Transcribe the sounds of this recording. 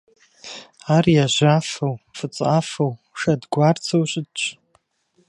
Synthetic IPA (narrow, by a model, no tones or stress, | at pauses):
arjaʒʷafowfɨt͡sʼafow | ʂadɡʷart͡sʰowɕʷɨdt͡ʃʷʰʼ